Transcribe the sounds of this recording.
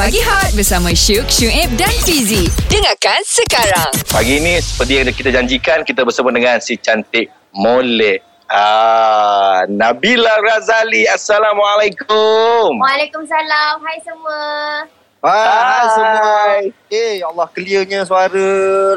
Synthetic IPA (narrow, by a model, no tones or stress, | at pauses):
paɡiɦat̪̚bəsamãʃuk̚ʃuɛp̚danfizidəŋakansəkaɾaŋpaɡiːnĩsə̥pərt̪̬ijaŋkit̪ad͡ʒaɲd͡ʒikankit̪abəsəbʊt̪̚dəŋansit͡ʃant̪ɪʔ̚ | molɛʔ | a | nabilarazaliasalamwalajkʊmwalekʊmsalamɦajsəmə | aasəaj | ejalːahkəliəɲasuaɾə